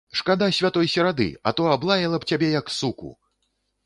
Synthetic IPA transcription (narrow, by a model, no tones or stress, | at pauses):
ʂkad̪asʲvʲat̪ɔjsʲɛɾad̪ɨ̰ɐ̰t̪ɔablˠajɐlˠɐpt͡sʲabʲɛjɐksukṵ